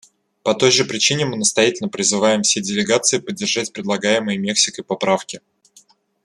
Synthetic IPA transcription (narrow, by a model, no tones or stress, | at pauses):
pɐt̪o̞jʐɨpɾʲɪt͡ɕinʲɪmɨnəst̪ɐjatʲɪlʲnəpɾʲɪzɨvajɪmfsʲedʲɪlʲɪɡat̪sɨɪːpədʲːɪrʐatʲpɾʲɪd̪lˠɐɡajɪmɨjɪmʲe̞ksʲɪkəpɐpɾafkʲɪ